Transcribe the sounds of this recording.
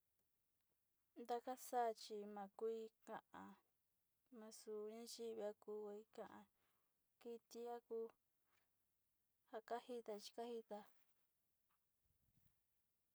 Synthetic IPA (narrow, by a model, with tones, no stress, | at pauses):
nd̪a˦ka˦sa˦˧t͡ʃi˧mã˨˧ku˦i˧˦kã˧ʔã˧ | mã˧su˧˨ɲã˦ʒi˦βi˧a˧kuː˧˦a˧i˦kã˧ʔã̰˧ | ki˧t̪i˦a˦kuː˦ | ha˧ka˦hi˦t̪a˧t͡ʃi̥˧ka˦hi˦t̪a˧